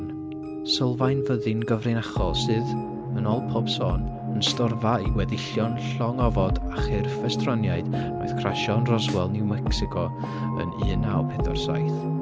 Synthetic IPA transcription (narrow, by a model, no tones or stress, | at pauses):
n | səlˠvajnvəðɨnɡəvrɨnaχɔsɨːð | ənɔlˠpʰɔb̥sɔːn | ənstɔrvaiwɛðɪɬjɔnɬɔŋɔvɔdaχɪrfɛstrɔnjaɨd̥noɨð̥kʰraʃɔnrɔzwɛlˠnɪwmɛksɪkʰɔ | ə̰nɨːnaɔpʰɛðɔ̰rsa̰jθ